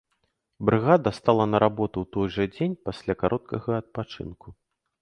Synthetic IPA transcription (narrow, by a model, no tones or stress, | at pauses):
bɾɨɣad̪ɐst̪alˠɐnɐɾabɔt̪uwt̪ɔjʐɐd͡zʲenʲpasʲlʲakaɾʔɔt̪̚kʰɐɣɐːt̪̚pat͡ʂɨ̰nku